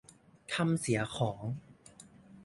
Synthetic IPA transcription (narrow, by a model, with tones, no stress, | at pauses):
kʰa˧msi˩˦ɐxʰɔː˩˦ŋ